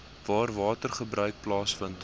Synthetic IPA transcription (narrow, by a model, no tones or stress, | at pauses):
vɑːrvɑːtərχəbɾœɥk̚plɑːsfənt